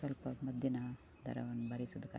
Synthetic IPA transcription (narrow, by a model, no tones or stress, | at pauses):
kɐlpɐmɐd̪jɐnɐ | d̪ʱɐ̰ɾɐ̰ʋɐnːbɐɾisud̪ɐka̰